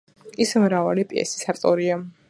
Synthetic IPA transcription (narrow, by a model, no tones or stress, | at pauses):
ismɾavalipʼiɛ̰si̥saɾt̪ʼɔɾia